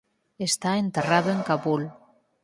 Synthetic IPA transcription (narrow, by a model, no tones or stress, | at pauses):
est̪aent̪eraðoeŋkaβul